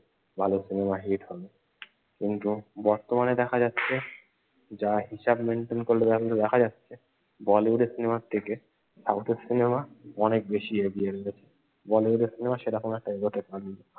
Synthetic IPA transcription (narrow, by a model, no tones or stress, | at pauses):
bʱalosinemaɦiʈhɔbe | kint̪ubɔɾt̪omaned̪ɛkʰad͡ʑatːɕʰe | d͡ʑaɦiʃabmeɳʈenkoɾlebɛɦlled̪ɛkʰad͡ʑatːɕʰe | bɔleuɖesinemaɾt̪ʰeke | sawt̪ʰeɾsinemaɔnek̚beʃieɡieɾeɡet͡ɕʰe̥ | bɔleuɖeɾsinemaʃeɾakʰonoɛk̚ʈaeɡoʈekːanilo